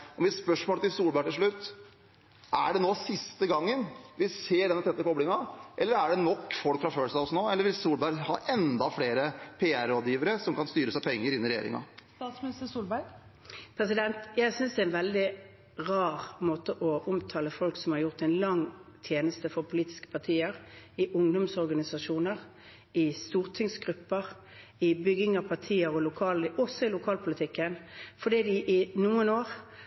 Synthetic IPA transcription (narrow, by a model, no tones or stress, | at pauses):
ɔmɪt̪spœʂmoːlət̪ɪlsuːlbæʈɪlʂɭʉt̪ː | ʔæ̰ɖɛnoːsɪst̪əɡɑŋːənʋɪseːɖɛnːət̪ʰɛt̪ːəkɔblɪŋɑʔɛlːəɾæɖɛnɔkːfɔlkfɾɑføːlsɑɔsnoːɛlːəɾʋɪlsuːlbæɾhɑ̰ːʔɛnd̪ɑfɽeːɾəpʰeːæɾoːd̪jiːʋəɾəsɔmkɑnst̪yːɾəsæɪpʰɛŋːəɾɪnːɪɾɛjḛːɾɪ̰ŋɑ̰st̪ɑːt̪smɪnɪst̪əsuːlbæɪ | pʰɾɛs̬ɪd̪ɛnt̪jæɪsʏnsd̪ɛɛnʋɛld̪ɪ | ʁɑːʁmoːt̪əʔɔʔʊmt̪ʰɑːləfɔlksɔmhɑʁjʊʁt̪ɛɪnlɑŋt̪ʰjeːnəst̪əfɔʁpʰʊliːt̪ɪ̥skə̥pʰɑʁt̪ʰiːəʁɪʔʊŋd̪ʊmsɔʁɡɑnɪsɑʂuːnəʁ | ɪst̪uːʁt̪ʰɪŋsɡʁʉpːəʁ | ɪbʏɡɪŋɑʋpʰɑʁt̪ʰiːəʁɔlʊkʰɑːlʔɔsːɔɪlʊkʰɑːlpʰʊlɪt̪ʰɪkːənfɔd̪iːd̪ɪʔɪnuːənoːʁ